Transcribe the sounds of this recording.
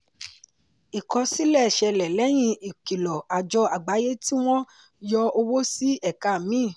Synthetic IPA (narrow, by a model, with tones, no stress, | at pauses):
i˨kɔ˧si˦lɛ˦˨ʃɛ˧lɛ˨lɛ˨˦j̃ĩ˧i˨ki˨lɔ˨a˨d͡ʒɔ˧a˨ɡ͡ba˨˦je˦ti˦w̃ɔ̃˦ | jɔ˧o˧wo˦si˦ɛ˦˨ka˨mĩ˦˨